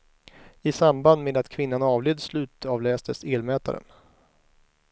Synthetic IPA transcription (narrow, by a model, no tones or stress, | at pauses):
ɪsamband̪meːd̪at̪kʰvɪnːanɑːvleːd̪slʉ̟ːt̪ʰɑːvlɛːst̪əseːlmɛːt̪a̰ɾə̰n